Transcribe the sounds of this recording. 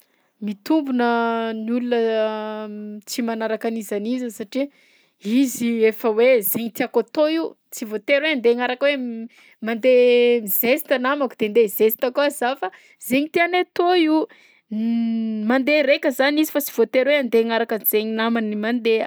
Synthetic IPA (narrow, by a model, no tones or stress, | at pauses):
mit̪umbunənulunə | t͡simanaɾakanizanizəsaʈ͡ʂi | iziefəwezeɲit̪iakot̪ou | t͡sivot̪eɾweand̪eŋaɾakwe | mand̪emizesi̥t̪anamakud̪̥end̪ezesi̥t̪akuazafa | zeɲit̪ianet̪ou | mand̪eɾekʲəzanizifat͡si̥v̥ot̪eɾweand̪eŋaɾakənz̥eɲinamanimand̪eə